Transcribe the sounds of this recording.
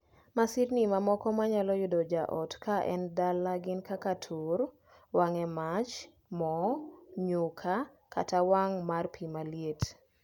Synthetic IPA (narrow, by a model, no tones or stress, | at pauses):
masiɾnimamɔkɔmaɲalɔjʊdɔd͡ʒaʔɔ̰tkʰaʔɛ̰ndalːaɡɪnkakatʰuɾ | waŋɛmat͡ʃ | mɔɲʊkʰa | ka̰tawaŋmarpʰimaljet